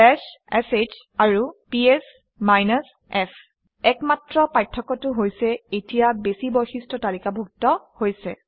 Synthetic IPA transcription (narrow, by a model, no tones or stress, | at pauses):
ɛsɛset͡ʃ | aɹupies | majnas | ɛpʰ | ɛkmatɹɔpajtʰːɔkɔtʊɦojsɛetijabesibɔjxistʰɔtalikabʱuk̚tɔhojsɛ